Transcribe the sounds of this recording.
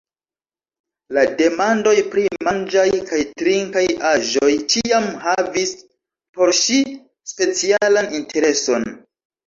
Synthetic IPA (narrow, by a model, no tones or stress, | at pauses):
lade̞mando̞jpɾimand͡ʒajkajtɾiŋkajaʒojt͡ʃiamhavis | po̞ɾʃi | spe̞t͡sialanintʰe̞ɾe̞so̞n